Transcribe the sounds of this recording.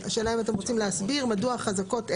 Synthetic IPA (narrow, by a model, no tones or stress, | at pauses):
a̰ʃe̞ːlaimat̬emʁot͡simleasbiʁmaduaχazako̞t